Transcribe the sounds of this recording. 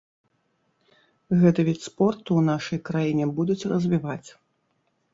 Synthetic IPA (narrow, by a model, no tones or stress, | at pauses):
ɣɛt̪ɐvʲit͡sʲspɔrt̪uːnaʂɐjkɾajinʲɛbud̪ut͡sʲrɐzʲvʲivat͡sʲ